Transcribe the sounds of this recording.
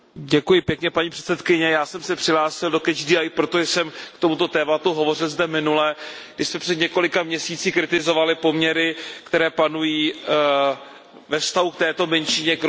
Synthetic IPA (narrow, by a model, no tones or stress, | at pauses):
ɟɛkujɪpjɛkɲɛpaɲiːpr̥ɛ̥t̪sɛt̪kɪɲɛjaːsɛmsɛpr̥ɪɦlaːsɪldo̞kɛd͡ʒdiːajpɾot̪oʒɛsɛmkt̪o̞mut̪o̞t̪ɛːmat̪uɦo̞vo̞r̝ɪlzdɛmɪnulɛɡdɪʃsmɛpr̥ɛd̪ɲɛko̞lɪkamɲɛsiːt͡siːkɾɪt̪ɪzo̞valɪpo̞mɲɛɾɪkt̪ɛɾɛːpanujiː | vɛfst̪aɦuk̚t̪ɛːt̪o̞mɛnʃɪɲɛk